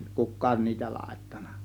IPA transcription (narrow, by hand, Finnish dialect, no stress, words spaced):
kukˑɑːn niːtæ lɑˑe̝tːɑ̥n̥ˑɑ̥